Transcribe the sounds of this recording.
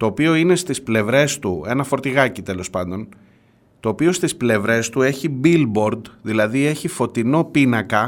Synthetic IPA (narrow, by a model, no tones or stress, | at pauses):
t̪o̞ːpio̞ine̞st̪isple̞vɾe̞st̪ue̞nɐfo̞ɾt̪iɣɐcit̪e̞lo̞spɐnd̪o̞n | t̪o̞ːpio̞st̪isple̞vɾe̞st̪ue̞çibilbo̞ɾd̪ðilɐðie̞çifo̞t̪ino̞pinɐkɐ